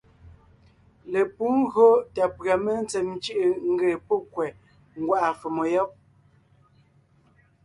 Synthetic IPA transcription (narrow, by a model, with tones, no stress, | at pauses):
le˨pu˦ŋ̩˦ɣo˦ta˨pɰa˨me˦n̩˦t͡sɛ˨mn˦t͡ʃə˦ʔe˨ŋ̩˦ɡe˨po˦kwɛ˨ | ŋ̩˦ɡwa˦ʔa˨fe˨mɔ˨jɔ˦p̚